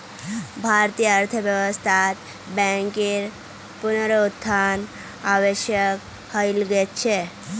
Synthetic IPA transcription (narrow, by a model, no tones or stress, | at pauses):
bʱaɾt̪ijəəɾt̪ʰəbjəʋəst̪ʰat̪ | bɛ̃ŋkiɾ | punɾout̪ʰːan | aʋeʃjək | həilɡet͡ʃʰe